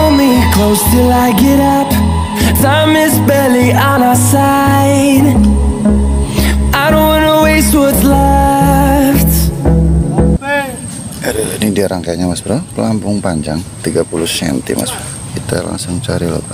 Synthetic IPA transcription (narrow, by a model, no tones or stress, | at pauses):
ɔmikʰloʊstɪlaɪɡɛɾʌp | samɪsbɛliʔənasa | ɪd | aɪɾõʊ̃nwɑnəweɪstwɪθl | ft | nidiaɾaŋkajɲamasbəɾapəlampʊŋpaɲd͡ʒaŋt̪iɡapulʊhsɛ̰nt̪ḭma̰sbəɾ | kit̪a̰la̰ŋsʊŋt͡ʃaɾilo̰ka